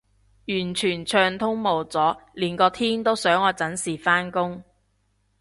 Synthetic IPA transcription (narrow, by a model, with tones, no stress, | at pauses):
jyː˨˩nt͡ʃʰyː˨˩nt͡ʃʰœː˧ŋt̪ʰʊ˥ŋmo˨˩wt͡sɔː˨˥liː˨˩nkɔː˧t̪ʰiː˥nt̪o˥wsœː˨˥ŋɔː˨˧t͡sɐ˨˥nsiː˨˩faː˥nkʊ˥ŋ